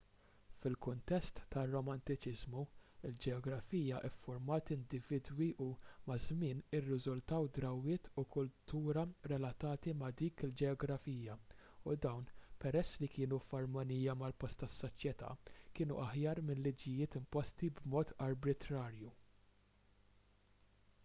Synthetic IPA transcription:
fɪlkʊnt̪ɛst̪ːɐrːɔmɐnt̪ɪt͡ʃɪzmuɪld͡ʒɛɔɡɾɐfiːjɐʔɪfːʊɾmɐːt̪ɪnd̪ɪvɪd̪wiʔumɐzmɪːnɪrːɪzʊlt̪ɐwd̪ɾɐwːɪːt̪ʰukʊlt̪uːɾɐɾɛlɐt̪ɐːt̪imɐd̪iːkɪld͡ʒɛɔɡɾɐfiːjɐ | ud̪ɐwnpɛɾɛsːlikɪːnufɐɾmɔniːjɐmɐlpɔst̪ːɐsːɔt͡ʃjɛt̪ɐ̰ːkɪːnṵʔɐħjɐːɾmɪnllid͡ʒɪjɪːt̪ɪmpɔst̪ibmɔːt̪ɐɾbɾɪt̪ɾɐːɾju

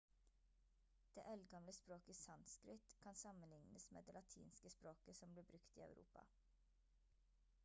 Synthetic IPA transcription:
d̪̥ḛːʔɛlɡɑmləspɾoːkəsɑnskɾɪt̪kʰɑnsɑmənlɪŋnəsmḛːd̪eːlɑt̪ʰḭːnskəspɾoːkəsɔmbliːbɾʉkt̪ḭːɑ̰ʉɾʔṵːpɑ̰

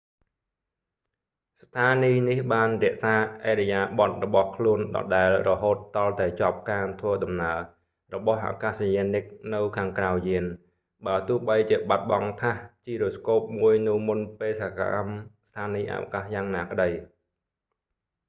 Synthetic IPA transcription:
st̪ʰaːniːnihɓaːnrĭəʔsaːʔaːɗɛjaːɓɑt̪̚rɔɓɑhkʰluənɗɑ̰ːɗaɛlrɔɦoːt̪ːɑlt̪aɛt͡ɕŏəp̚kaːt̪ʰʋəːɗɑmnaə | rɔɓɑhʔa̰ːkasjenɨk̚nɨwkʰaːŋkrawjiən | ɓaət̪ʊ̆əhɓəjt͡ɕiəɓat̪̚ɓɑŋt̪ʰaht͡ɕiːɾuskoːp̚muəjnɨwmunpeːsaːka̰mst̪ʰaːniːʔa̰ʔa̰kahjaːŋnaːkə̆ɗəj

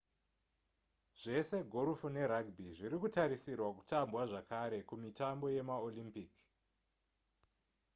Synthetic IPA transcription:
ʐ̥e̞se̞ɡʱoɾufune̞ɾaɡbʱiʐiɾikutaɾisirwaku̥tambwaʐakaɾe̞kumitambo̞je̞maolimpik

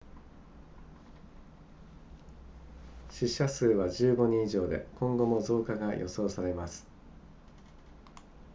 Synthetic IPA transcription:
ɕiɕasɨːβaʑɨːɡo̞ɲ̟ĩiʑo̞ːd̪e̞̰kõ̞ŋɡo̞mo̞zo̞ːkaɡajʔo̞̰so̞ːsaɾe̞masɨ̥

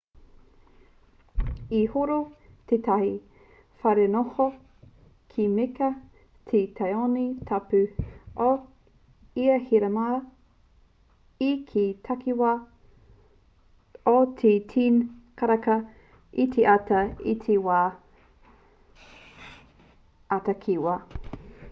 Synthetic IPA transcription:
ihoɾot̪ʰet̪ʰɐhi | fɐɾenoho | kʰimekɐ | t̪ʰet̪ʰɐjonitʰɐpʉʔo | iɐhiɾɐma | ikʰitʰɐkiwa | otʰetʰinkʰɐɾɐkɐ | itʰeʔatɐitʰewaː | ɐtɐkʰiwɐ

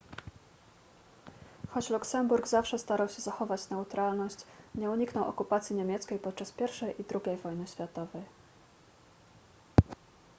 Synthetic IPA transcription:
xɔt͡ɕluksɛmbuɾɡzafʂɛst̪aɾawɕɛzaxɔvat͡ɕnɛut̪ɾalnɔɕt͡ɕɲɛuɲiknɔwɔ̰kupat̪sʲjiɲemʲjɛt̪skʲejpɔt̪̚t͡ʂaspʲjɛɾfʂɛjʔid̪ɾuɡʲejvɔjnɘɕfʲat̪ɔvɛj

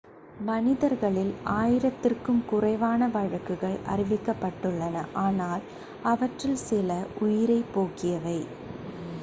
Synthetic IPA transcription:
mɐnɪðɐɾɣɐɭɪlaːjɪɾɐt̪ːɪrkɯmkʊrɐɪʋaːnɐʋɐɻɐkːɯɣɐɭɐ̰rɪʋɪkːɐpːɐʈːɯɭːɐnɐʔaːnaːl | ɐʋɐʈrɪlsɪlɐʔʊjɪɾɐɪpoːkɪjɐʋɐɪ

